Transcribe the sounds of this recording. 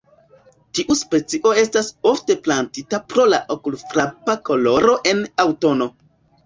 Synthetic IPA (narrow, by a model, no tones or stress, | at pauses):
tiʔuspe̞t͡siʔo̞e̞staso̞fte̞plantitapɾo̞laʔokulfɾapako̞lo̞ɾo̞ʔe̞nawto̞no̞